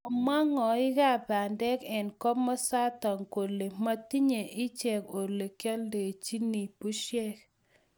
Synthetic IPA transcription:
ɔ˨ma˦ŋɔ˨ɪ˦ka˦˨ba˨ndɛ˦kɛ˨nkɔ˦mɔ˦sa˦ta˨ŋko˨le˨ma˦ti˦ɲe˨ʔɪ˦t͡ʃɛ˨ko˨le˨kjɔ˦lde˨t͡ʃi˦ni˨pu˦ʃjɛ˦k

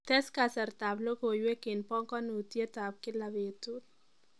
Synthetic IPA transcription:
t̪ɛ˦skasɐ˨ɾt̪a˨blo˦ko˨jwe˦kɪ˨npɔ˦ŋkɔ˦nu˨t̪je˦t̪a˨p̚kɪ˦laβe˨t̪ut

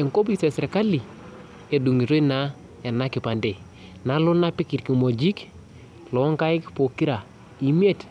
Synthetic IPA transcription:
e˨ŋko˦bi˦se˨sɾe˨ka˦li˨ | e˨du˨ŋi˨ɾo˦i˦na˦ | e˨na˦ki˨pa˨nde˨ | na˦lu˦na˦pi˦ki˨tki˨mo˨d͡ʒi˦k | lɔ˨˦ŋka˦i˦kpo˨ki˦ɾa˨ | i˨m˦e˦˨t

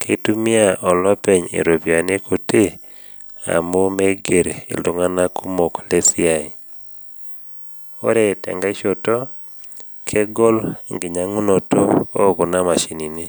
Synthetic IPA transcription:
kʰe˦tu˦mi˦a˦ʔɔ˨lɔ˦pɛ˨ɲḛ˨ɾo˨bja˨ne˦kʰo˨te˦ | a̰˨mo˦me˦ɡe˨ɾḛ˨lo˨ŋa˦na˦ku˦mo˨kle˦si˦a˨i˨ | o̰˦ɾɛ˦tɛ̰˨ŋɡa˦i˦ʃo˨tɔ˦ | kʰe˦ɡo˦lŋɡɪ˨ɲa˨ŋu˦no˨to˦o˦˨ko˨na˦ma˨ʃi˨ni˨ni˦

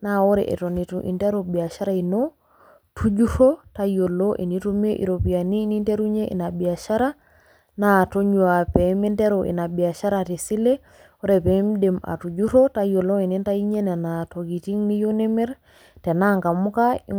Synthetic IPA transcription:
na˦o˦ɾɛ̰˨ʔɛ̰˨to˨ni˨tu˨ʔḭ˨ntɛ˦ɾobi˨a˨ʃa˦ɾa˦i˨no˦ | tʰu˦d͡ʒu˦ɾo˦ta˦jo˨lo˦ʔi˨ni˦to˦me˦ʔḭ˨ɾo˨pi˨a˨ni˦ni˦nte˦ɾu˦ɲe˦ʔḭ˨na˨bi˨a˨ʃa˦ɾa˦ | na˦to˦ɲua˨pɛ˨mi˦nte˦ɾo˨ʔḭ˨na˨bi˨a˨ʃa˦ɾati˨si˦le˦ | o˦ɾe˨pɛ˨mde˨ma̰˨tu˨d͡ʒu˦ɾo˦ta˦jo˨lo˦i˨ni˦nta˦i˦ɲe˦ne˨na˨to˨ɡi˨ti˦ŋni˦jo˦ne˦mɛ˦ɾ | tɛ˨na˦ŋka˨mu˦ka˦i

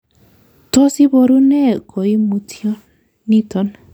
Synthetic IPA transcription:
tɔ˦si˦bɔ˧ɾu˦nɛ˦˨kɔ˨i˦mu˧tʰi˦ɔ˦ | ni˦tɔ˨˦n

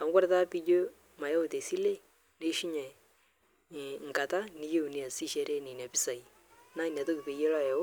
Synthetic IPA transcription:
a˨mu˦kɔ˦ɾɛ˦ta˦pi˦d͡ʒo˦ | ma˨ja˦o˨te˨si˦le˦ | ne˦ʃi˦ɲa˨ | ŋ̩˨ka˨ta˦ni˦je˦u˨ni˨a˨si˦ʃɛ˦ɾɛ˦ni˨n˨a˨pi˦sa˨i˨ | na˦i˨n˨a˨to˦ki˨pe˨jɛ˦la˦˨jɛ˨˦

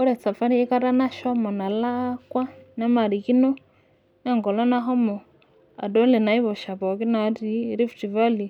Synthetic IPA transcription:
ɔ˦ɾɛ˨t͡sa˨fa˦ɾi˦i˦ka˦ɾa˦na˦ʃɔ˦mɔ˨na˨la˦kwa˦na˦ma˨ɾi˨ki˦nɔ˦ | na˦ŋɡɔ˨lɔ˦na˦ɦɔ˦mɔ˨ | a̰˨dɔ˦lɛ˨na˨˦i˦βɔ˨ʃa˨pɔ˨ki˦na˨˦ɾi˦ɾi˦fti˨va˦li˨

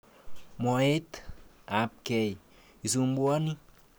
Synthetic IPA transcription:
mɔ˨e˦t̪a˨p̚ke˨j | i˨su˨mbu˦a˦ni˦

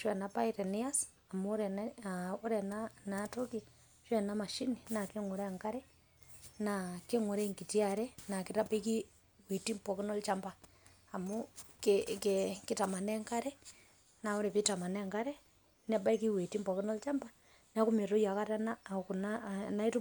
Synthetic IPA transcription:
ʃwɛ˨napaiɾɛ˨nia˦s | a˨mu˦ɾɛ˨ | u˦ɾe˨nanato˦ki | ʃwɛ˨nama˨ʃi˦nina˨kiŋu˨ɾɛ˦a˨ŋka˦ɾɛ | nakiŋu˨ɾe˦ŋki˨tiaɾɛna˨ki˨tabe˦ki˦ | wi˨ti˦mpo˨ki˦no˦lt͡ʃa˦mbaː˨ | mukkki˦ta˨ma˨ne˦ŋka˦ɾɛ | na˨u˦ɾe˨βita˨ma˨neŋkaɾɛ | n˦a˨ba˦i˦ki˦we˨ti˦mpɔ˨kino˦lt͡ʃa˦mba | n˦a˦kume˨ɾo˦ja˨ka˦ɾanakunana˦i˦tu˦

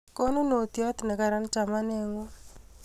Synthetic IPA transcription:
ko˦nu˦no˨t̪jɔ˦t̪nɛ˨ka˨ɾa˦nt͡ʃa˨ma˦ne˨ŋo˦

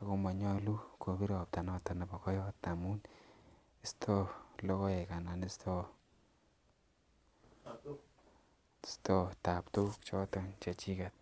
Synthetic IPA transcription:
a˨ko˧ma˨ɲɔ˦lu˦ko˨bi˦ɾɔ˨p̚ta˨nɔ˨t̪a˨na˨ba˨kɔ˦jɔ˦t̪a˨mu˦n | i˦st̪ʰo˦lɔ˦kɔ˦e˨ka˨na˨ni˦stʰo˦ | sto˦ta˨ptu˦kt͡ʃɔ˦to˦nt͡ʃa˨t͡ʃi˦kat̪̚

